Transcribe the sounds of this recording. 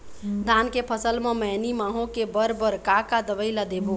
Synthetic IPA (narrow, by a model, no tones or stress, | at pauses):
d̪ʱankepʰəsəlmemənimaɦõkebəɾbəɾkakad̪əbəɪlad̪ebo